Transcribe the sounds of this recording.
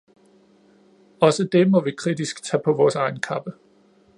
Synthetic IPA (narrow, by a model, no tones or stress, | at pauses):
ɒ̽səd̥e̝mɒ̽ʋikʰʁidisɡ̥t͡sʰɛːpʰɒ̽ʋɒːsɑ̈ɪn̩kʰɑ̈b̥ə